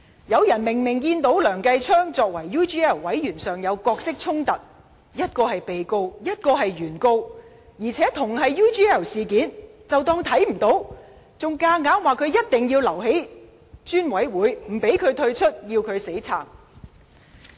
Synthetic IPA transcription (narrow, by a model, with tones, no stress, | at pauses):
jɐ˨˧wjɐ˨˩nmɪ˨˩ŋmɪ˨˩ŋkiː˧nt̪o˨˥wlœː˨˩ŋkɐ˧jt͡ʃʰœː˥ŋt͡sɔː˧k̚wɐ˨˩jːuː˥t͡ʃiː˥ɛː˥˩wwɐ˨˥jjyː˨˩nsœː˨ŋjɐ˨˧wkɔː˧k̚sɪ˥k̚t͡sʰʊ˥ŋt̪ɐ˨t̚ | jɐ˥t̚kɔː˧hɐ˨jpe˨jko˧wjɐ˥t̚kɔː˧ɦɐ˨jɥyː˨˩nko˧w | jiː˨˩t͡sʰɛː˨˥t̪ʰʊ˨˩ŋɦɐ˨jjuː˥t͡ʃiː˥ɛː˥˩wsiː˨kiː˨˥nt͡sɐ˨wt̪ɔː˧ŋt̪ʰɐ˨˥jm̩˨˩t̪o˨˥w | t͡sʊ˨ŋkaː˧ŋaː˨˥nwaː˨kʰɵ˨˧ɥjɐ˥t̚t̪ɪ˨ŋjiː˧wlɐ˨˩whe˨˥j | t͡ʃyː˥nwɐ˨˥jwuː˨˥jm̩˨˩pe˨˥jkʰɵ˨˧ɥt̪ʰɵ˧ɥt͡ʃʰɵ˥t̚jiː˧wkʰɵ˨˧ɥse˨˥jt͡sʰa̰ː˨˩m